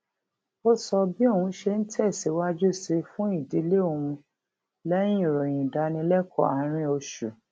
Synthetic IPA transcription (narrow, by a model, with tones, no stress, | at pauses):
o˦sɔ˧bi˦o˦˨ũ˨˧˦ʃe˧n̩˦tʰɛ˦˨si˨˦wa˦d͡ʒu˦si˧fũ˦i˦˨di˨˦le˦o˨wũ˧ | lɛ˦j̃ĩ˦˨ɾɔ˨j̃ĩ˨da˨˧nĩ˧˦lɛ˦kʰɔ̰˦˨a˨˦ɾ̃ĩ˧˦o˧ʃu˨